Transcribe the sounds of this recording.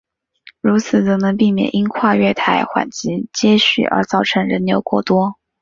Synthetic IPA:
ɻu˧˥t͡sʰɹ̩˨˩t͡sɤ˧˥˩nɤ˧˥ŋp̬i˥˩mjɛ̰˨˩nʔi˥nkʰwa˥˧ɥɛ˥˩t̪ʰa˧˥ɪxwa̰˨˩nt͡ɕi˧˥t͡ɕjɛ˥ɕy̰˥˩ʔə̰˞˧˥t͡sɑ˥˩ʊʈ͡ʂʰɤ˧˥ŋɻə˧˥nnjo̰˧˥ʊkwɔ˥˩t̪wɔ˥

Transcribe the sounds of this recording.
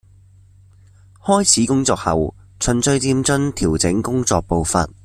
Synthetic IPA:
hɔː˥jt͡sʰiː˨˥kʊ˥ŋt͡sɔː˧k̚hɐ˨w | t͡sʰɵ˨˩nt͡sɵ˧ɥt͡siː˧mt͡sɵ˥nt̪ʰiː˨˩wt͡sɪ˨˥ŋkʊ˥ŋt͡sɔ̰ː˧k̚po˨˧wfɐ̰˨t̚

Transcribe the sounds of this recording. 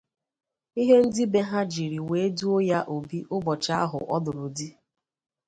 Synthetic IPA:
i˦ɦe˦n̩˦dɪ˦be˦ɦa˦d͡ʒi˨ɾi˨we˨˦e˦du˦o˦ja˦ʔo˨bi˦ʔʊ˦bɔ˨t͡ʃa˦a˦ɦʊ̰˨ʔɔ˦dʊ˨ɾʊ˨di˦

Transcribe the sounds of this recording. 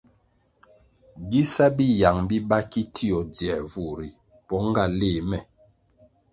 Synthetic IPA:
ɡi˦sa˦bi˦ja˨ŋbi˦ba˦ki˦tʰi˦ɔ˨d͡zjɛ˨vu˨ɾi˨ | pɔ˦ŋ˦ɡa˦˨leː˦˨mɛ˨

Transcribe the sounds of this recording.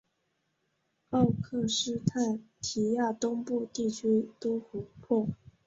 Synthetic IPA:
ɑ˥˧ʊkʰɤ˥˩ʂɻ̩˥t̪ʰa˥˩nt̪ʰi˧˥ja˥˩t̪ʊ˥ŋpu˥˧t̪i˥˩t͡ɕʰy˥t̪u˥xu˧˥pʰwɔ˥˩

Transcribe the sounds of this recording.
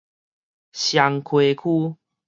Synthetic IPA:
ɕja˨˧ŋkʰwe˨˧kʰu˦˧

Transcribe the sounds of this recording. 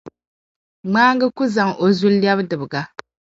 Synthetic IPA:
ŋ͡maː˦ŋɡɨ˦ku˦za˨ŋo˨zu˦ljɛ˦bdɨ˨bɨ˨ɡa˦

